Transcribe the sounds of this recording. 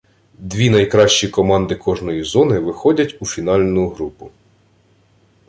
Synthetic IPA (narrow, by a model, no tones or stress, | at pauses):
d̪ʲʋʲinɐjkɾɑʃt͡ʃikɔmɑnd̪ɪkʰɔʒnɔjizɔnɪʋɪxɔdʲɐtʲufʲinɑlʲnʊɦɾupʊ